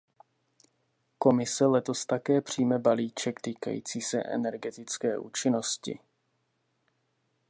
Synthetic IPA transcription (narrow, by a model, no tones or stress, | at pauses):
ko̞mɪsɛlɛt̪o̞st̪akɛːpr̝̥iːmɛbaliːt͡ʃɛkt̪iːka̰jḭːt͡siːsɛ̰ʔɛ̰nɛɾɡɛt̪ɪt͡skɛːʔuːt͡ʃɪno̞scɪ̰